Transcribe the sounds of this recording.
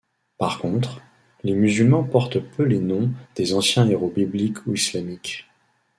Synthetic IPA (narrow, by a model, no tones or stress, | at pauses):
paʁkɔ̃t̪χ | lemyzylmɑ̃pɔʁt̪pʰølenɔ̃d̪̥ezɑ̃sjɛ̃eʁobiblikʰuislamik